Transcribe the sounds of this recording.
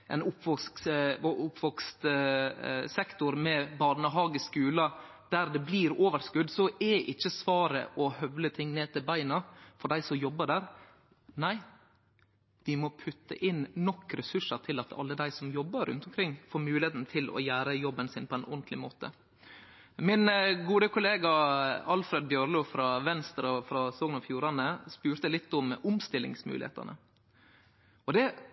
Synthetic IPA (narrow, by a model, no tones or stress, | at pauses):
ʔɛ̰nʊpːʋɔskʊpʰːʋɔkst̪ | sɛkt̪ʊɾmɛbɑnəɦɑːɡəskʉːlɑ | d̪æɾd̪ɛbliːɾoːʋəɾskʉd̪ːsɔʔɛʔɪçːəsʋɑːɾə̰ʔɔhœʋlət̪ʰɪŋːneːt̪ʰɪlbæɪnɑfɔɖæɪsɔmjɔbːəɖæɾ | næɪ | ʋɪmɔpʰʉt̪ːə̰ʔɪnnɔkːɾɛsʉʂət̪ʰɪlɑt̪ʰɑ̰lːəd̪æɪsɔmjɔbːəɾʉ̰nt̪ʊmkʰɾɪŋːfoːɾmʉːlɪheːt̪n̩ət̪ʰɪlʔɔ̰jæːɾəjɔbːənsɪːnpʰɔæɪnʔʊnt̪ʰlɪmoːt̪ə̰ | mɪnɡuːd̪əkʰʊleːɡɑɑlfɾeːd̪bjœɾluːfɾɑʋɛnst̪ɾɔfɾɑsɔːɡnɑfjuːɾɑnəspʉːɾt̪əlɪt̪ːɔmʊmst̪ɪlɪ̰ŋsmʉ̰ːlɪ̰hḛːt̪ɑ̰nə̰ | ɔd̪ɛ